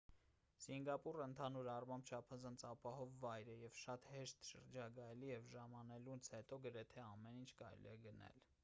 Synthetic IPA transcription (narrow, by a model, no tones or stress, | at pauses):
siŋɡɑpurəənt̪ʰɑnuɾɑrmɑmbt͡ʃʰɑpʰɑzɑnt͡sʰɑpɑhɔvːɑjɾɛjɛvʃɑt̪hɛʃt̪ʃə̰ɾd͡ʒɑɡɑjɛlijɛvʒɑmɑnɛlunt͡sʰhɛt̪ɔɡəɾɛt̪ʰɛɑmɛnint͡ʃʰkɑɾɛ̰lḭɛɡənɛ̰l